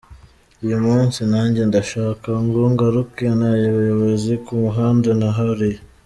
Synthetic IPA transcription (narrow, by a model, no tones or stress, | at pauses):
ujumuːnsinaːɲɟe̞ndaʃaːkaŋɡoŋɡaɾuke̞najoβajoβozikumuɦaːndenaɦaɾi